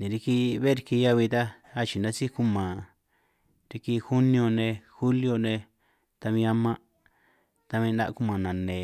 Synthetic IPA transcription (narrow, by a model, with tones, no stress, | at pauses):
nĩ˨ɾi˧ki˦˧βe˦ɾi˧ki˧ja˦βi˧t̪a˦ | a˦t͡ʃi˨nã˧˦si˦ku˦mã˨ | ɾi˧ki˧xu˦nĩ˧o˧nẽ˧xu˦ljo˧nẽ˧ | t̪a˧βĩ˧a˧mã˦ | t̪a˧βĩ˧nã˧ʔku˦mã˨nã˨nẽ˨